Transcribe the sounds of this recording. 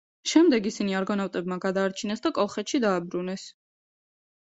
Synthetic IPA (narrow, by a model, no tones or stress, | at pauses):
ʃɛmd̪ɛɡisiniaɾɡɔnavt̪ʼɛb̚maɡad̪aːɾt͡ʃʰinɛsd̪akʼɔlˠχɛt̪ʃid̪aːbɾunɛs